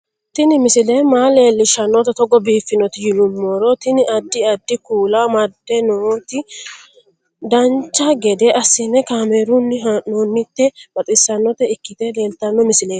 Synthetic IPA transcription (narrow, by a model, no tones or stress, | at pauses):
t̪ɪnɪmɪsɪleːmaːle̞ːlːɪʃɐnːɔt̪ɐt̪ɔɡɔbiːfːɪnɔt̪ɪjɪlʊmːoːɾɔt̪ɪnɪʔɐd̪ːɪɐd̪ːɪkuːlaːmɐd̪ːɛnot̪ɪ | d̪ɐnt͡ʃːaɡɛd̪eːʔɐsːɪnɛkaːmeːɾunːɪɦaʔːoːnːɪt̪ːɛb̥ɐt̪ʼɪsːɐnːɔt̪ɛɪkːɪt̪eːle̞ːlt̪ɐnːɔmɪsɪleː